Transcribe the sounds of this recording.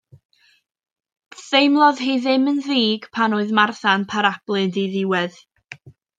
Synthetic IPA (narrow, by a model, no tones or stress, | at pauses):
θejmlˠɔðɦejðɪmənðiːɡ̥pʰanoɨðmarθanpʰaɾab̥lˠɨndiðɪwɛð